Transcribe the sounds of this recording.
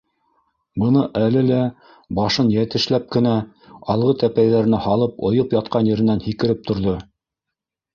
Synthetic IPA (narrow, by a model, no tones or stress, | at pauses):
bɤ̆nɤʔælɘlæ | bɑʃɤnjæt̪ɘ̆ʃlæp̚kɘ̆næ | ɑlˠʁɤt̪æpæjðæɾɘ̆næhɑlˠɤpŏjɤpjɑt̪̚qʰɑnjɘ̆ɾɘ̆nænhikɘ̆ɾɘp̚t̪ŏɾðo